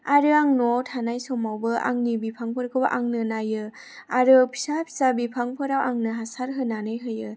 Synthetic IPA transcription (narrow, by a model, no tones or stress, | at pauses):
aɾɯaŋnɔtʰanajsɔmawbɯʔa̰ŋnibipʰaŋpʰɯɾ̚kʰɯbɯʔaŋnɯnajɯ | aɾɯpʰi̥sapʰi̥sabipʰaŋpʰɯɾawʔaŋnɯɦasaɾɦɯnanɯjɦɯjɯ